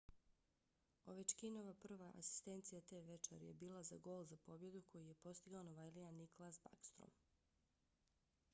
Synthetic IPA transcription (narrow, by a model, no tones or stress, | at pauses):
oʋet͡ʃkinoʋapr̩ʋaʔa̰si̥st̪ent̪sijat̪eʋet͡ʃa̰ɾjḛbiːlˠazaɡo̞ːlˠzapo̞bje̞d̪ukʰo̞jije̞po̞st̪iɡaonoʋajlianikolˠasba̰kst̪ɾo̰m